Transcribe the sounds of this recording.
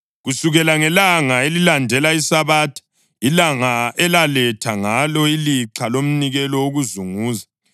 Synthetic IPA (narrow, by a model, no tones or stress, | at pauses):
ɣusuɣɛlaŋɛlaŋaelilandʱɛlaisaβaːtʰɔ̥ | ilaŋaɛlalɛtʰaŋalɔiliǁʰalom̩niɣɛlɔoɣuzuŋuːza